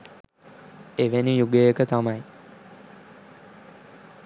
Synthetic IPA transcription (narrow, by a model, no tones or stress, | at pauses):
eʋenijuɡəjəkət̪amaj